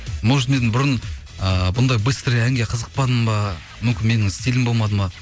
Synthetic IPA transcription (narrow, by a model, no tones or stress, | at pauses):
moʒmed̪ɪnbʊɾən | əbʊnd̪ɑjbɨst̪ɾiæŋɡʲe̞qʰəzəq̚pɑd̪əmbɑ | mʏmkʲɪnme̞nɪŋɪst̪ilɪmbo̞lˠmɑd̪əmɑ